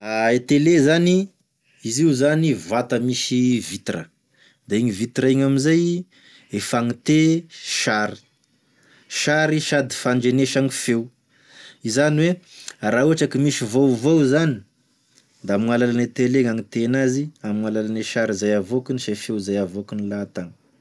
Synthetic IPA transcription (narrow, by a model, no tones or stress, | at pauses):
aet̪elezani | iziuzanivat̪əmisivit̪rə̰ | d̪̥aiɲivit̪ɾaiɲaminzaj | efaŋit̪eʃaɾi̥ | ʃaɾiʃad̪i̥faɳd͡ʒeneʃaŋifew | izaniweɾauaʈ͡ʂakimisivowvowzani̥ | d̪aamiŋalalanet̪eleŋaŋit̪enaziamŋalalaneʃaɾizajavokiniʃafewzajavokinilat̪aŋ